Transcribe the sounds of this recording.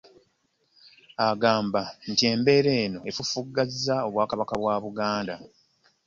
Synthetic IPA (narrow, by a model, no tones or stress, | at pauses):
aɡaːmban̩tie̞mbe̞ːɾe̞ːno̞e̞fufuɡːazːao̞βwaːkaβakaβwaːβuɡaːnda